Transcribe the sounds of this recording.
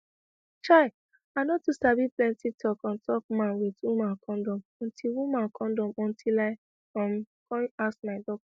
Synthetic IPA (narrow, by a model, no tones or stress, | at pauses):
t͡ʃa | aɪnɔtusabiplɛ̃ntitʰɔkɔ̃ntʰɔk̚mãnwitumãkʰɔ̃ndɔ̃mɔ̃ntʰilwumãkʰɔ̃ndɔ̃mɔ̃ntʰilaɪ | ãm | kɔ̃nasmaɪdɔk̚ɔ